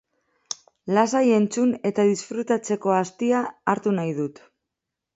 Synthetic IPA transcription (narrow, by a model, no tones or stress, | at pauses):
lasaje̞nt͡sune̞t̪aðisfɾut̪at͡se̞ko̞ast̪iaːɾt̪unajð̞ut̪